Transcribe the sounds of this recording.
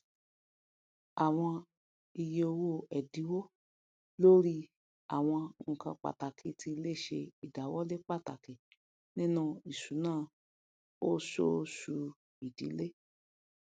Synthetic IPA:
a˨w̃ɔ̃˧ | i˧je˧o˧wo˦˨ɛ˨di˨˦wo˦ | lo˦ɾi˦ | a̰˨w̃ɔ̃˧ŋ̩˨kã˧k͡pa̰˨ta˨kʰi˨˦tʰi˧˦le˦˨ʃe˧i˨da˨wɔ˦le˦k͡pa˦˨ta˨ki˨ | nĩ˦nũ˦˨i˨su˨˦nãː˦˨ | o˦so˦su˧ | i˨di˨˦le˦

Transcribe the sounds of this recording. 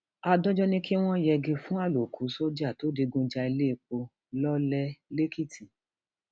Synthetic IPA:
a˧dɔ˦d͡ʒɔ˦nĩ˦ki˦w̃ɔ̃˦jɛ˧ɡe˧fũ˦a˦˨lo˨ku˨˦so˦d͡ʒa˦˨to˨˦de˧ɡũ˧d͡ʒa˧i˧le˦i˧˨k͡po˧ | lɔ˦lɛ˦le˦ki˦tʰi˨

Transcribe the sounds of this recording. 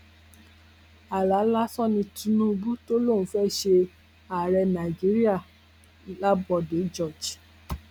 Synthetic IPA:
a˨la˨˦la˦sɔ˦nĩ˧tũ˨˦nũ˦˧bu˦to˦lõ˦˨˦fɛ˦ʃe˧ | a˨ɾɛ˧nã˨d͡ʒi˨˦ɾi˦a˦˨˦ | la˦bɔ˧˨de˨˦d͡ʒɔ˦˨d͡ʒ

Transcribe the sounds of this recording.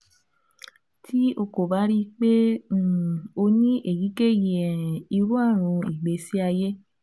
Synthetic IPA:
tʰi˦o˧ko˨ba˨˦ɾi˦k͡pẽ˦˨ | o˧nĩ˦ʔe˨ji˨˦ke˦˨ji˨ɛ˨i˧ɾu˦a˦˨ɾ̃ũ˧i˨ɡ͡be˧si˦a˧je˦

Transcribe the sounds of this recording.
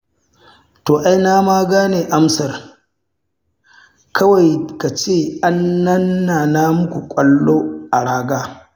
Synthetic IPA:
toː˨ʔa˦jnaː˦maː˦ɡaː˦neː˨ʔa˦msɐ˨r | kʰɐ˦wa˨jka˨t͡ʃeː˦˨ʔa˦nːɐ˦nːaː˨naː˦mʊ˦kʷu˨kʷʼɐ˦lːoː˦ʔa˨ɽaː˦ɡaː˦

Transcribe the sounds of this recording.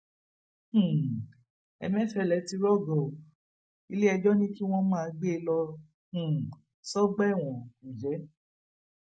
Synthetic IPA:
ũ˨ | ɛ̰˧mɛ̃˦fɛ˦˨lɛ˨˦ti˧ɾɔ˦˨ɡɔ˨ | i˧le˦ɛ˧d͡ʒɔ˦nĩ˦ki˦w̃ɔ̃˦mãː˦˧˨ɡ͡be˦lɔ˧ | ũ˨ | sɔ˦ɡ͡bɛ˦˨w̃ɔ̃˨ku˨d͡ʒɛ˨˦

